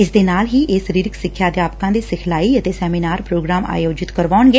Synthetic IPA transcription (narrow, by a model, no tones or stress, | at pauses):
ɪsd̪eːnaːlɦiːeːsəɾiːɾɪksɪkʰːjaːd̪jaːpkãːd̪eːsɪkʰlaːiːət̪eːsɛːmiːnaːɾpɾoːɡɾaːma̰ːjoːd͡ʒɪt̪kəɾʋaːɳɡeː